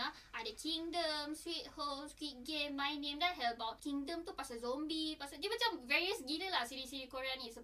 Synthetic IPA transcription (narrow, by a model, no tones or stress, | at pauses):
a | ʔadəkʰĩŋdəmswit̚homskwit̚ɡẽmːajnẽmdɛt̚ɦɛlbawt̚kĩŋdə̃mt̪upasazõmbipasad͡ʒimat͡ʃamvɛɹiəsɡinəlasiɾisiɾikoɹãniisə